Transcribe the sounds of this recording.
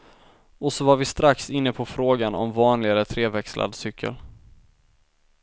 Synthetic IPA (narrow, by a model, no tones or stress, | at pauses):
ɔsɔvaɾvɪst̪ɾaksɪnːəpʰɔfɾoːɡanɔ̰mvɑːnlɪɡaɾət̪ʰɾeːvɛkslʔa̰d̪sʏkʰːə̰l